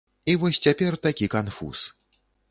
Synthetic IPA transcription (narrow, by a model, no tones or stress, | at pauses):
ivɔsʲt͡sʲapʲɛrt̪akʲikanfṵs